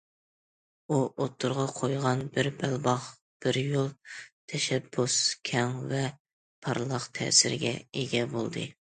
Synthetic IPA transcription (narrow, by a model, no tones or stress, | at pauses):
uʔot̪ʰːʊɾʁɑqʰojʁɑnbɪɾbælbɑχ | b̥ɪɾjolˠt̪ʰɛʃɛbːuskʲʰɛŋvɛ | pʰɑɾlˠɑqt̪ʰɛ̰sɪɾɡʲɛ̰eɡʲɛbolˠd̪ɨ̰